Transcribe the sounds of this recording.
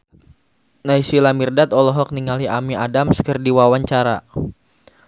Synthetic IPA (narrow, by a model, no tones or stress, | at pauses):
naisilamirdat̪ɔlɔɦɔk̚niŋaliamiadamsə̥kərdiwawaɲt͡ʃaɾa